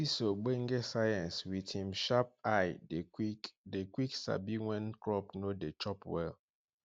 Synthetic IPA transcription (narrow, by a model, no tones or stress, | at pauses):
isoɡ͡beŋɡesajɛ̃nswidhĩmʃap̚ajdeikdekwiksa̰biwɛ̃nkɹɔpnodet͡ʃɔpwɛ̰l